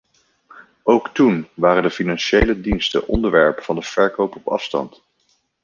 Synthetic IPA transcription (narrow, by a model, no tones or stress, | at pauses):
owktunʋaːrəndəfinɑnʃejlədinstə̰ʔɔndəɹʋɛɹpəfɑndəv̥ɛɹkowpɔpɑ̰fstɑ̰nt